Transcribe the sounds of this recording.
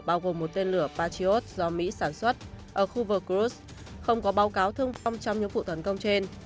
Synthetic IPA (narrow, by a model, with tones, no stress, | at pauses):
ɓaː˧wɣo˨˩mːo˨˩t̚t̪e˧nlɨ˧˩əpaː˧t͡ɕi˧o˦˥t̚zɔ˧mḭ˧˥saː˧˩nswə˦˥t̚ʔəː˧˩xu˧vəː˧kɾu˦˥s | xə˧wŋ͡mkɔ˨˦ɓaː˨˦wkaː˨˦wt̪ʰɨ˧əŋfa˧wŋ͡mt͡ɕɔ˧wŋ͡mɲɨ̰˧˥ŋvṵ˧˨t̪ə˨˦nkə˧wŋ͡mt͡ɕe˧n